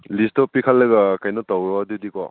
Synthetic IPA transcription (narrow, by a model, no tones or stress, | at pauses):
listɔpikʰalːɐɡɐkajnɔtawɾɔdidikɔ̰